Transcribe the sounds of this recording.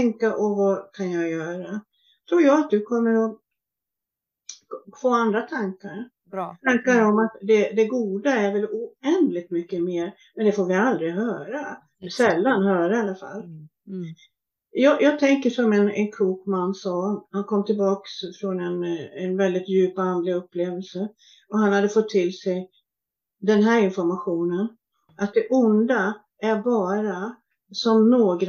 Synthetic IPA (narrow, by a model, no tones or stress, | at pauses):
ɛŋkaʔɔvakʰanjaɡjœːɾa | t̪ʰɾuːɾjɑːɡat̪̚d̪ɵkʰɔmːəɾɔ | foːand̪ɾat̪ʰaŋkaɾ | t̪ʰaŋkaɾɔmat̪d̪ɛd̪ɛɡuːd̪aæɾvɛluɛnd̪lɪɡ̚t̪mʏkːəmeːɾ | mɛnd̪ɛfoːɾvɪald̪ɾɪɦœːɾa | sɛlːanhœːɾaalːafa̰lː | jɑːjɑːt̪ʰɛŋkəʂɔmɛnɛ̰nkʰuːkmanːsɑːhankʰɔmːt̪ʰɪlbɑːksfɾɔnɛnɛnvɛld̪ɪt̪jʉ̟ːpand̪ɾɪɵpːleːvəlsə | ɔhanhad̪ːəfɔt̪ʰːɪlsɛj | d̪ɛnɦæːɾɪnfɔɾmaɧuːnən | ʔat̪̚d̪ɛʔʊnd̪a | æɾbɑːɾa | sɔmnoːɡɾ